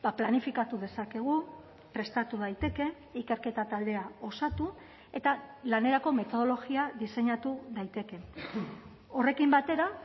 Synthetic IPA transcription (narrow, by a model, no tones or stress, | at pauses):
baplanifikat̪uðe̞sake̞ɣ̞u | pɾe̞st̪at̪uð̞ajt̪e̞ke̞ | ike̞ɾke̞t̪at̪ald̪e̞ao̞sat̪u | e̞t̪alane̞ɾako̞me̞t̪o̞ð̞o̞lo̞ɣiaðise̞ɲat̪uðajt̪e̞ke̞ | o̞re̞kimbat̪e̞ɾa